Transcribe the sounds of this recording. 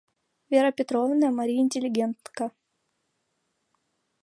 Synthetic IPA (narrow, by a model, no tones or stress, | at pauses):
vʲeɾəpʲɪt̪ɾovnəjəmɐɾʲijɪnʲtʲɪlʲɪɡʲent̪nkɐ